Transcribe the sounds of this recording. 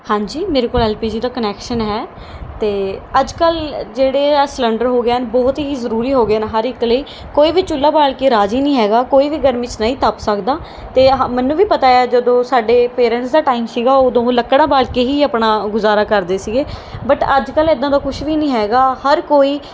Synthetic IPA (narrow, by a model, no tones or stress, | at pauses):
hãːɲd͡ʒiːmeːɾeːkoːlɛːlpiːd͡ʒiːd̪aːkənɛːkʃənɦɛː | t̪eːəd͡ʒkəld͡ʒeːɽeːslə̃ɳɖəɾɦoːɡeːənbɔːt̪iiːzəɾuːɾiːɦoːɡeːnɦəɾɪkləiː | koːiːʋiːt͡ʃʊlːaːbaːɭkeːɾaːd͡ʒiːnĩːɦɛːɡaːkoːiːʋiːɡəɾmɪt͡ʃnəĩːt̪əpsəkd̪aː | t̪eːmɛːnũːʋiːpət̪aːjaːd͡ʒəd̪õːsaːɖeːpeːɾɛ̃ːɳʈsd̪aːʈaːiːmsiːɡaːʊd̪õːləkːɽaːbaːɭkeːɦiːəpɳaːɡʊzaːɾaːkəɾd̪eːsiːɡeːbəʈəd͡ʒkəleɪd̪ãːd̪aːkʊʃʋiːnĩːɦɛːɡaːhəɾkoːiː